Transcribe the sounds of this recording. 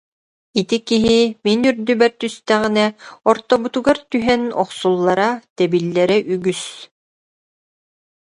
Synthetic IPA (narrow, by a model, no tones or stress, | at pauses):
it̪ikiɦiminyɾd̪ybɛɾt̪yst̪æʁinɛɔɾt̪ɔbut̪uɡaɾt̪yɦɛnɔχsulˠːaɾat̪ɛbilːɛɾɛʔyɡys